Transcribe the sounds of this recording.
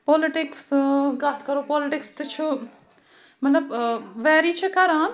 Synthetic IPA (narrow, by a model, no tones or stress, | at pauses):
pɔliʈɪksɡat̪ʰkɐɾopɔliʈɪkst̪ɨt͡ʃʰu | mɐt̪lɐbʋɛːɾit͡ʃʰekɐɾaːn